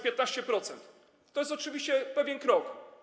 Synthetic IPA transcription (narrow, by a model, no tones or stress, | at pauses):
pʲjet̪naɕt͡ɕɛpɾɔt̪sɛnt̪ | t̪ːɔjɛst̪ɔt͡ʂɘvʲiɕt͡ɕɛpɛvʲjɛnkɾɔk